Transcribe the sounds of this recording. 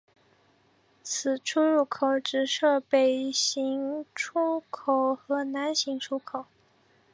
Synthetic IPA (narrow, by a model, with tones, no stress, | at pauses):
t͡sʰɹ̩˨˩ʈ͡ʂʰu˥ɻu˥˩kʰo˨˧˩ʊʈ͡ʂɻ̩˨˩ʂɤ˥˩pe˨˩ɪɕi˧˥ŋʈ͡ʂʰu˥kʰo˨˩ʊxɤ˧˥na˧˥nɕi˧˥ŋʈ͡ʂʰu˥kʰo˨˩˦ʊ